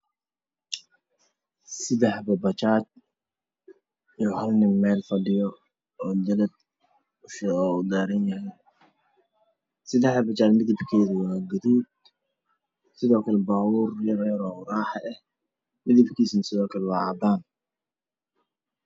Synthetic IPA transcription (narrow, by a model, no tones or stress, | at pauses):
sɪd̪ɛħbɐbɐt͡ʃaːd̪̚ | ijhɐlnɪmːɛːlfɐɖɪjɔ | ɔːd͡ʒɐlɐd̪̚ | ʊʃɔːud̪aːɾɐnjɐɦɛ | sɪd̪ɛħɐbɐt͡ʃaːd̪mɪðɪbkʰɛːðɐwaːɡɐðuːd̪ | sɪðɔːkʰɐlɛbaːhuːrjɐrɛːɾɔːraːħɑʔɛh | mɪðɪbkʰiːsnɐsɪðɔːkʰɐlɛwɑːʕɑːd̪aːn